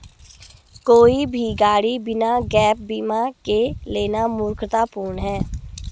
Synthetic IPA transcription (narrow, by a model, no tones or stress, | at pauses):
koːibʱiɡaːɽibɪnaɡɛːp̚biːmakeleːnamʊːɾkʰt̪apuːɾɳɦɛː